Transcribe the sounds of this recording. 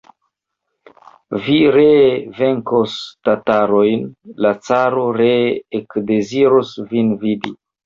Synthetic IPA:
viɾeve̞ŋkostataɾojnlat͡saɾoɾeːkde̞ziɾosvinvidi

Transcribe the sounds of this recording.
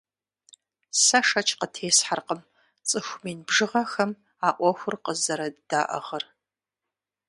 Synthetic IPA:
sɐʂɐt͡ʃʰʼqətʰeːsħarqəm | t͡sʼɨxʷmiːnbʐɨʁɐxɐm | aːʔʷɔxʷʊrqəzɐɾɐd̥aːʔɐ̰ʁɐr

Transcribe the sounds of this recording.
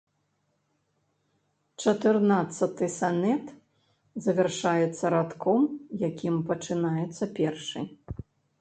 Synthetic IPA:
t͡ʂɐt̪ɨrnat̪sɐt̪ɨsanɛt̪ | zɐvʲɛrʂajɛt̪sːɐɾat̪kɔmjakʲimpɐt͡ʂɨnajɛt̪sːɐpʲɛrʂɨ̰j

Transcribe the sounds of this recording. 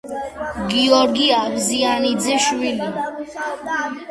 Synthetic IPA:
ɡiɔɾɡiabzianid̪zɛʃwili

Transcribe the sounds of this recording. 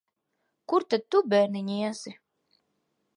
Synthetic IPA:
kuɾt̪ad̪̚t̪ubɛɾniɲʲiɛsi

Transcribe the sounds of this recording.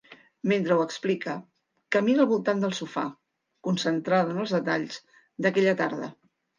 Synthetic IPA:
ment̪ɾəwəksplikə | kəminəlˠβulˠt̪and̪əlˠsufa̰ | kunsənt̪ɾaðənəlˠzðət̪aʎz̥ | d̪əkɛʎət̪aɾðə̰

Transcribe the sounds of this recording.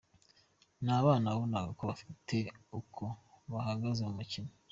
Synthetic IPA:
naːβaːnaβaβonakakoβafitʰe̞ukʰoβaɦaɡazeumucine

